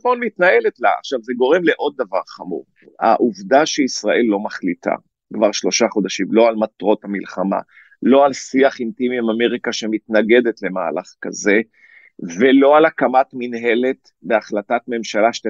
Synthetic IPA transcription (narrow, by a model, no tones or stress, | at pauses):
χmonmitnae̞letla̰a̰χʃavzeɡo̞ʁe̞mle̞ʔo̞d̪̚ːavaʁχamṵʁ | a̰ʔuvdaʃeisʁaʔe̞lːo̞maχlitʰa̰ | kvaʁʃlo̞ʃaχo̞daʃimlo̞almat̪ʁo̞thamilχama̰ | lo̞alsiaχintimiimame̞ʁikaʃe̞mitnaɡe̞detle̞ma̰ːlaχkaze̞ | velo̞alakamatminɦe̞le̞t | be̞aχlatatme̞mʃalaʃ